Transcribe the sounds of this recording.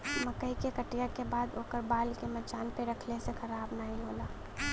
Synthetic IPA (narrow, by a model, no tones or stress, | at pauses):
məkəɦikekəʈijakebaːd̪oːkəɾbaːlkemɐt͡ʃaːnpeɾəkʰlesexɐɾaːbnaːĩɦoːlaː